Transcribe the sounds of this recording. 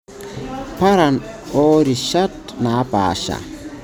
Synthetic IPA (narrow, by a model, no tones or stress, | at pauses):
paɾan | ɔɾiʃatnaba̰ːʃa̰